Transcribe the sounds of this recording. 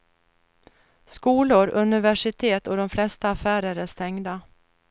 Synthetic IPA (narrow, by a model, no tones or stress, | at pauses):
skuːlʊɾɵnɪvæʂɪt̪ʰeːt̪ɔd̪ɔmflɛst̪aːfæːɾəɾæʂt̪ɛŋd̪a